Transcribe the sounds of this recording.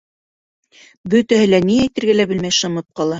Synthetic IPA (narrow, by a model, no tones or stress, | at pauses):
bɵ̆t̪æhɘ̆læniæjt̪ɘ̆ɾɡælæbɘ̆lmæjʃɤ̆mɤp̪̚qɑlˠɑ